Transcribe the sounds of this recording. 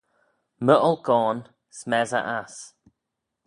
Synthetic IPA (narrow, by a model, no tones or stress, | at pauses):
məʔəlˠkɔːn | smɛzə̰ʔas